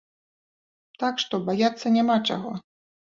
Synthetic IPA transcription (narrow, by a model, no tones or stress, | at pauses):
t̪akʂt̪ɔbajat̪sːɐnʲamat͡ʂa̰ɣɔ